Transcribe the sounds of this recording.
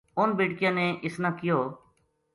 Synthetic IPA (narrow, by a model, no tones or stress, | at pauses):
ʊnbiːʈkɪjãːneːʔɪsnãːkɪjoː